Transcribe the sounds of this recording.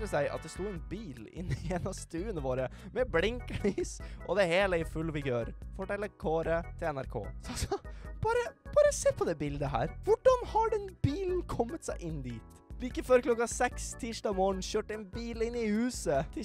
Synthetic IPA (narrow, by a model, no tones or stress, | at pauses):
ɾəsæɪʔɑ̰t̪̚d̪ɛst̪uːɛnbiːlɪ̰nːɪeːnɑst̪ʉːənəʋoːɾəmɛblɪŋkliːsʔɔd̪ɛæɾheːləɪfʉlːfɪɡøːɾfɔʈɛlːəɾkʰoːɾət̪ʰɪlɛnæɾkʰo̰ːsɑsɔb̥ɑːɾəb̥ɑːɾəseːpʰɔd̪ɛːbɪld̪əɦæ̰ːɾʋʊɖɑnhɑɖɛnb̥iːln̩kʰɔmːət̪sæɪʔɪnːd̪iːt̪ | ʋɪɪkːəføːɾkʰlɔkːɑsɛkst̪ʰiːʂʈɑːmoːɳ̩ɕøːʈəɛnbiːlɪnːɪhʉːsət̪ʰɪ